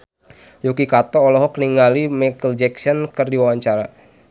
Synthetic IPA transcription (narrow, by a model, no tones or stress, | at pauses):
jukikat̪ɔːlɔɦɔkniŋalimakəld͡ʒɛksɔnkɨrdiwawaɲt͡ʃaɾa